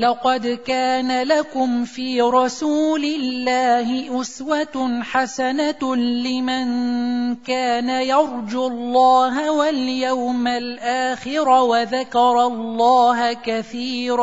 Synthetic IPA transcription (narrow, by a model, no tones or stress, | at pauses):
lɑqɑd̪kaːnalakʊmfiːɾˤɑsuːlɪlːaːhɪʔʊswat̪ħasanalɪmankaːnajɑɾˤd͡ʒʊlˤːɑːɦawaljawmalʔaːxɪɾawaðakɑɾˤɑlˤːɑːɦakaθiːɾ